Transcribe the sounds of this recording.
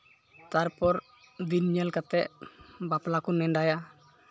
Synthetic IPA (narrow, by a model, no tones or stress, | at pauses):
t̪aɾpɔɾ | d̪inɲɛlkat̪ɛʔbaplakunɛnɖaja